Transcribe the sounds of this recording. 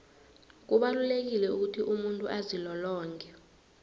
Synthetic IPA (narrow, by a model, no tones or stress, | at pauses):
k̬uɓalulek̬ilɛuk̬utʰiʔumuntʼuʔazilɔlɔːŋkʰʼɛ